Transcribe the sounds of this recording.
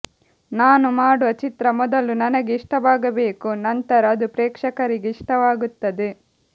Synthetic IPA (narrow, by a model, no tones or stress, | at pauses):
naːnumaːɽuʋɐt͡ʃit̪ɾɐmɔd̪ɐlunɐnɐɡeiʂʈɐʋaːɡɐbe̞ːkunɐnt̪ɐɾɐːd̪upɾɛːkʂɐkɐɾiɡeiʂʈɐʋaːɡut̪ːɐd̪e